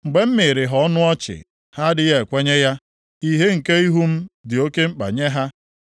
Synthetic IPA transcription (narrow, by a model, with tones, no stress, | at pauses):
ŋ͡m̩˨ɡ͡be˨m̩˦mɪ˨ɾɪ˨ɦɔ˦nʊ˦ɔ˦t͡ʃɪ̰˨ | ha˦dɪ˨je˨kʷe˦ɲe˦ja˦ | i˦ɦe˦ŋ̩˨ke˦i˦ɦu˦m̩˦dɪ˨o˦ke˦ŋ͡m̩˦k͡pa̰˨ɲe˦ɦa˦